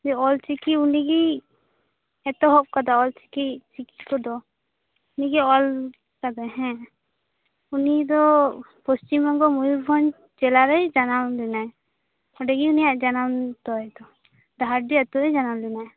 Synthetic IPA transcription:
d͡ʒɛɔlt͡ʃikiuniɡi | ɛt̪ɔɦɔp̚kad̪aɔlt͡ʃi̥kit͡ʃiki̥kɔd̪ɔ | uniɡiɔl | kad̪aɦɛ̃ | unid̪ɔ | pɔst͡ʃimɔɡɔmujuɾbʱɔn | t͡ʃɛlaɾɛjd͡ʒanamlinaɛ | ɔɖɛɡiunijaʔd͡ʒanamt̪ɔɛd̪ɔ | d̪aaɾɖiɛt̪ɔɾɛjd͡ʒanamlinaɛ

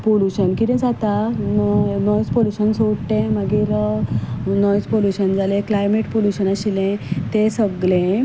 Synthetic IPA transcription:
poluɕənkit̪ɛ̃d͡zat̪a | nɔwt͡spoluɕənsoɽʈẽmaɡiːɾ | nɔt͡spoluɕənd͡zaleklajmeʈpoluɕənaɕilẽt̪esəɡlẽ

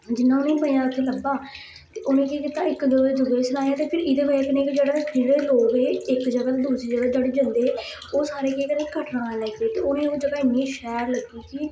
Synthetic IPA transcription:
d͡ʒɪnːãːʊnẽːpəĩjãːʊt̪ʰːeːləbaː | t̪eːʔʊnẽːkiːkiːt̪aːɪkd͡ʒəɡəd͡ʒʊɡeːsənaːjaːt̪eːpʰɪɾɪːd̪eːbəekɪnẽːkid͡ʒeːɽaːdɪɽeːloːɡeːɪkd͡ʒəɡəld̪uːseːd͡ʒəɡəld͡ʒaːɽeːd͡ʒənd̪eː | oːsaːɾeːkeːkəneːkəʈɾãːlɛːkeːt̪eːʊnẽːod͡ʒəɡaːɪnːĩːʃɛːɾləɡiːkiː

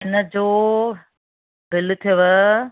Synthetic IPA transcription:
ɪnəd͡ʑoː | bɪlt̪ʰiʋə

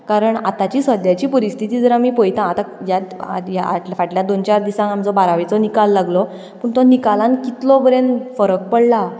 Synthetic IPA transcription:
kaɾəɳat̪at͡ɕiːsʋəd̪jat͡ɕiːpəɾist̪ʰit̪iːd͡zəɾamiːpojt̪ãːt̪ajat̪ajaa̰faʈljad̪ont͡ɕaɾd̪isãŋamd͡zɔbaɾaʋit͡sɔnikalːaɡlɔ | pəɳt̪ɔnikalãnkit̪lɔbəɾenfəɾək̚pəɽla

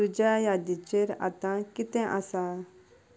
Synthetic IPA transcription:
ud͡ʑajad̪it͡ɕeɾa̰t̪ãkit̪ɛ̃ʔasa

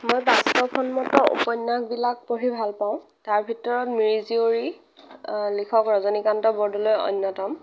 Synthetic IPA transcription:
mojbastɔpʰɔnmɔtɔʔṵpɔnːak̚bilak̚poɹibʱalpaʊ̃ | taɹbʱitɔɹɔtmiɹizioɹi | likʰɔkɹɔzɔnikantɔbɔɹdɔlojɔ̰nːɔtɔm

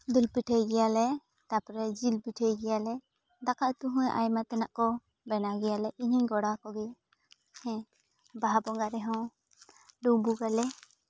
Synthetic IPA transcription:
d̪ulpiʈʰəjɡɛjalɛ | t̪apɾɛd͡ʒilpiʈʰəjɡɛjalɛ | d̪akaʔt̪uɦũjʔa̰jmat̪ɛna̰ʔkɔ | bɛnaɡɛjalɛʔiɲiɲɡɔɽakɔɡɛ | hɛ̃ | baɦabɔŋɡaɾɛɦɔ̃w | ɖubuɡalɛ

